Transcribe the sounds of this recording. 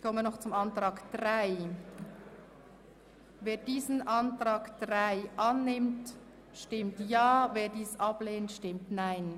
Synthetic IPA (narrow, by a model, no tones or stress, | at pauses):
çkʰɔmənɔχt͡sʊmantʁaːkd̥ʁaɪ | veːɐdiːzn̩ʔantʁaːkd̥ʁaɪʔanːɪmt | ʃtɪmtjaːveːdiːsʔableːntʃtɪmtnaɪn